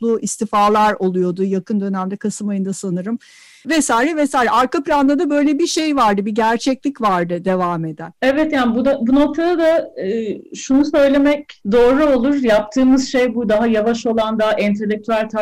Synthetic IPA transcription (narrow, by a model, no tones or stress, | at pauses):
lˠuist̪ifaːlˠaɾo̞lˠujo̞d̪ʊjakʰɯnd̪ø̞næmd̪ɛkʰasɯmajɯnd̪asanɯɾɯm | vesaːiɾɛvesaːiɾɛʔaɾkaplʲand̪ad̪abø̞jlʲebiʃe̞jvaɾd̪ɯbiɟæɾt͡ʃʰɛclʲicvaɾd̪ɯd̪e̞vaːme̞d̪ænɛvɛt̪janbud̪abuno̞k̚t̪ʰad̪ad̪aː | ʃunusø̞jlʲe̞mɛc̚d̪o̞ːɾuolˠuɾjap̚t̪ʰɯːmɯz̥ʃejbud̪aɦajavaʃo̞lˠand̪aʔɛnt̪ʰelʲːek̚t̪ʰyælʲt̪ʰa